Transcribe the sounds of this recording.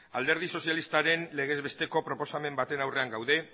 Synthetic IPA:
ald̪e̞ɾð̞iso̞sjalist̪aɾe̞nle̞ɣ̞e̞zβe̞st̪e̞ko̞pɾo̞po̞same̞mbat̪e̞nawre̞aŋɡawðe̞

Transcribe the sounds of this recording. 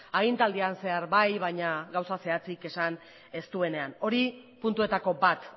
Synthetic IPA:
aɣ̞int̪ald̪ianse̞aɾbajβaɲaɡawsase̞at͡sike̞san | e̞st̪ue̞ne̞ano̞ɾi | punt̪ue̞t̪ako̞bat̪

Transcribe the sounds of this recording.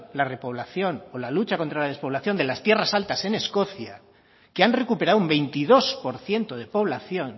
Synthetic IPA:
lare̞po̞β̞laθjo̞nolalut͡ʃako̞nt̪ɾalað̞e̞spo̞β̞laθjond̪e̞last̪je̞rasalt̪ase̞ne̞sko̞θja | keanre̞kupe̞ɾawumbe̞jnt̪iðo̞spo̞ɾθje̞nt̪o̞ð̞e̞po̞β̞laθjo̞n

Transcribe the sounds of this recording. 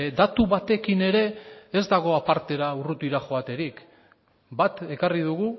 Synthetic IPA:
d̪at̪uβat̪e̞kine̞ɾe̞ːezd̪aɣ̞o̞apaɾt̪e̞ɾaurut̪iɾaxo̞at̪e̞ɾik | bat̪e̞kariðuɣ̞u

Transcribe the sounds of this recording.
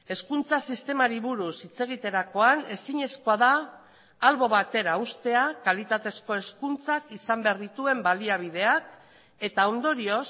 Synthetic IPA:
e̞skunt͡sasist̪e̞maɾiβuɾusit͡se̞ɣ̞it̪e̞ɾako̞ane̞siɲe̞sko̞aðaː | lβo̞βat̪e̞ɾaust̪e̞akalit̪at̪e̞sko̞e̞skunt͡sakisambeaɾðit̪ue̞mbaliaβ̞ið̞e̞ak | e̞t̪ao̞nd̪o̞ɾio̞s

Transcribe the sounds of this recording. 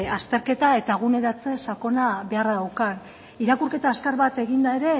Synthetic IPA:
ast̪e̞ɾke̞t̪ae̞t̪aɣ̞une̞ɾat͡se̞sako̞naβe̞araðawkan | iɾakurke̞t̪askaɾβat̪e̞ɣind̪ae̞ɾe̞

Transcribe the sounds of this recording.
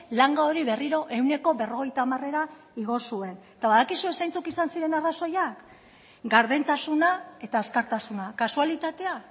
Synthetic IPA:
laŋɡaoɾiβe̞riɾo̞ʔe̞wne̞ko̞βe̞ro̞ɣ̞e̞jt̪aːmare̞ɾa | iɣ̞o̞sue̞nt̪aβaðakisue̞sajnt͡sukisansiɾe̞naraso̞jak | ɡaɾðent̪asunae̞t̪aeskaɾt̪asunakasualit̪at̪e̞a

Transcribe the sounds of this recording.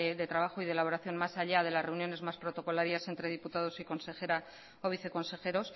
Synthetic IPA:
ðe̞t̪ɾaβaxoiðe̞laβo̞ɾaθjo̞nmasaʎað̞e̞lasre̞unjo̞ne̞zmaspɾo̞t̪o̞ko̞laɾjase̞nt̪ɾe̞ð̞iput̪að̞o̞siko̞nse̞xe̞ɾa | oβiθe̞ko̞nse̞xe̞ɾo̞s

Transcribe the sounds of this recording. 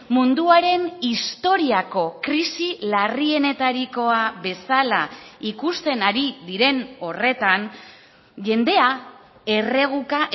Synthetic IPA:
mund̪uaɾe̞nist̪o̞ɾiako̞kɾisilarie̞ne̞t̪aɾiko̞aβe̞salaikust̪e̞naɾiðiɾe̞no̞re̞t̪an | ʝe̞nd̪e̞a | e̞re̞ɣ̞ukaʔ

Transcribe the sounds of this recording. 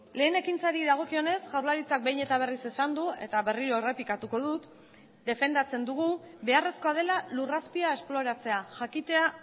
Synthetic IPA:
le̞ːne̞kint͡saɾiðaɣ̞o̞kio̞ne̞sʝawɾβaɾit͡sak̚bejne̞t̪aβ̞e̞rise̞sand̪ue̞̰t̪aβe̞riɾo̞ere̞pikat̪uko̞ðut̪ | d̪e̞fe̞nd̪at͡se̞nd̪uɣ̞ube̞are̞sko̞að̞e̞laluraspiae̞splo̞ɾat͡se̞aʝakit̪e̞a

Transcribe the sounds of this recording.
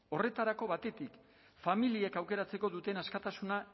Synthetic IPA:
o̞re̞t̪aɾako̞βat̪e̞t̪ik | familiekawke̞ɾat͡se̞ko̞ðut̪e̞naskat̪asuna

